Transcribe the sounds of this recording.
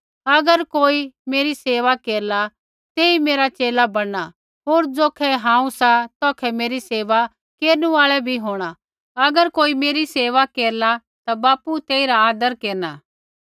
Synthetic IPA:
ɐɡəɾkoːimeːɾiseːʋakeːɾla | t̪eːimeːɾat͡ʃeːlabɐɽa | ɦoːɾd͡zoːkʰɛɦãːũsat̪ɔːkʰɛmeːɾiseːʋa | keːɾnuaːɭɛbʱiɦoːɽ̃a | ɐɡəɾkoːimeːɾiseːʋakeːɾla | t̪abaːput̪eːiɾaaːd̪əɾkeːɾnaː

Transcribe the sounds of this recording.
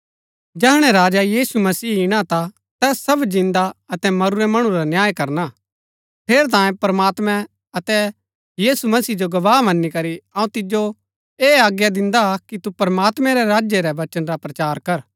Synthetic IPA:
d͡ʒɛːɦɽ̃ɛɾaːd͡ʒajiːsumɐsiːɪɽ̃at̪a | t̪ɛːssɐbd͡ʒɪ̃nd̪aɐt̪ɛmɐɾuɾɛmɐɽ̃ũɾanjaːjkɐɾna | pʰeːɾt̪̬ãːjẽpɐɾɐmaːt̪mɛ̃ | ɐt̪ɛ | jiːsumɐsiːd͡ʒoɡɐʋaːmɐnːikɐɾiɐːũt̪ɪd͡ʒo | eːaːɡjad̪ɪ̃nd̪akit̪upɐɾmaːt̪mɛ̃ɾɛɾaːd͡ʒjeɾɛʋɐt͡ʃənɾapɾɐt͡ʃaːɾkɐɾ

